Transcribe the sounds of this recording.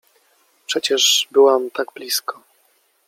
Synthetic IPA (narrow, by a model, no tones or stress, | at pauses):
pʂɛt͡ɕɛʐbɘwamt̪aɡblʲiskɔ̥